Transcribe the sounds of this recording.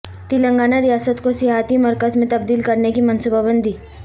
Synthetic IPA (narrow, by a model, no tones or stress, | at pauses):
t̪ilə̃ŋɡaːnaɾɪjaːsət̪kosɪɦaːt̪imɐɾkəzmẽt̪ɐb̚d̪iːlkɐɾnekimɐnsubabə̃nd̪ʱiː